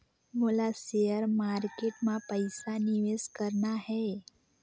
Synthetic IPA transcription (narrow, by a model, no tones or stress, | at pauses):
məlasejəɾmaɾkeʈmãpəjsaniʋeskəɾɳahɛ